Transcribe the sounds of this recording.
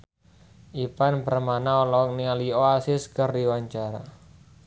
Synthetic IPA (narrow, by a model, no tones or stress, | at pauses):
ʔipanbərmanaolɔk̚nialioasɪskərdiwaɲt͡ʃaɾa